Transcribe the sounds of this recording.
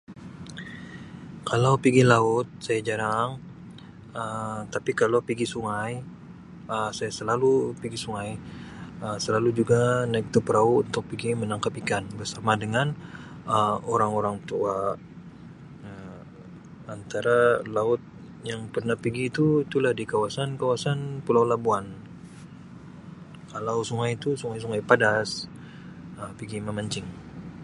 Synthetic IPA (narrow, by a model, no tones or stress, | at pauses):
kalawpiɡilaʊt̪̚sajad͡ʒaɾaŋ | ət̪apikalawpiɡisuŋaj | əsajasəlalupiɡisuŋaj | əsəlalud͡ʒuɡanak̚t̪upəɾauunt̪ʊk̚piɡimənaŋkapikanbərsamadəŋan | əmoɾaŋoɾaŋt̪ua | ə | ant̪aɾalaʊt̪̚ | jaŋpərnahpiɡiːt̪uit̪ulahdikawasankawasanpulawlabuan | kalausuŋajt̪usuŋajs̬uŋajpadas | əpiɡiməmaɲt͡ʃɪŋ